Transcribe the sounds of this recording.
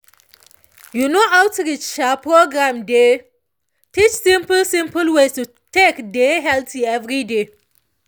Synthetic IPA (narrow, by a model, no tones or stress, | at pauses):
junoawtɹit͡ʃapɹoɡɹãmde | tit͡ʃsĩmpəlsĩmpəlwestu | tekdeɦɛltʰiɛvɹide